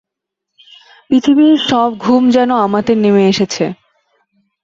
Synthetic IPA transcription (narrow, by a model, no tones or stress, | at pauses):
pɾit̪ʰibiɾʃɔb̚ɡʱumd͡ʑɛnoamad̪eɾnimeeʃet͡ɕʰe